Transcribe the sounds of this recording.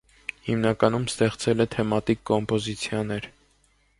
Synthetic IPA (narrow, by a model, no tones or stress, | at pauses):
himnɑkɑnumst̪ɛχt͡sɛlɛt̪ʰɛmɑt̪ikːɔmpɔzit͡sʰjɑnɛɾ